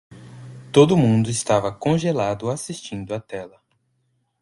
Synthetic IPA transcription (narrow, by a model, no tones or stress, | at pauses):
t̪od̪ʊmũnd̪ʊɪst̪avɐkõʒelad̪ʊasist͡ʃĩnd̪ʊɐt̪ɛlɐ